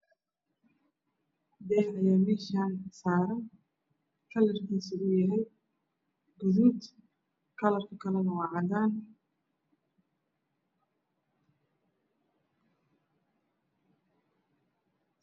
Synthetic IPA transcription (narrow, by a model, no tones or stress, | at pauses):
d̪ɛhɐjaːmɛːʃaːnsaːɾɐn | kʰɐlɪrkʰiːsɪʔʊjɐɦɛj | ɡʊðuːd̪ | kʰɐlɐrkʰʊkʰɐlɐnɐwɑːʕɑd̪aːn